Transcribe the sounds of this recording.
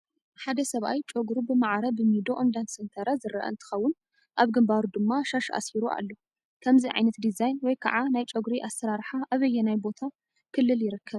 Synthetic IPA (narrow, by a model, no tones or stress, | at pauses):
ħad̪ɐsɐβʔa̰jt͡ʃʼoɡɾubɨmaʕɾɐbɨmid̪oʔomd̪ansɨnt̪ʰɐɾazɨɾɐ̰ʔɐ̰nt̪ʰɨ̥xɐwːʊn | ʔaβɡɨmbaɾud̪ɨmːaʃaʃʔa̰siɾuʔa̰lːo | kʰɐmziʕa̰jnɐt̪d̪izajnwɔjkʰɐ̰ʕanajt͡ʃʼoɡɾiʔasɐɾaɾħaʔaβɐjːɛnajbo̞t̪ʰa | kʰɨlːɨljɪɾɨkʰːɐβ